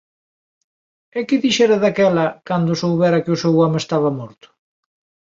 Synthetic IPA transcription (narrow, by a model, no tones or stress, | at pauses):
ɛkɪðiʃɛɾɐðakɛlɐkand̪ʊsowβɛɾɐkɪʊsewɔmɪest̪aβɐmɔɾt̪ʊ̥